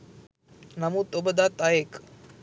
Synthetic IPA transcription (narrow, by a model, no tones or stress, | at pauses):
namut̪obəd̪at̪ːajek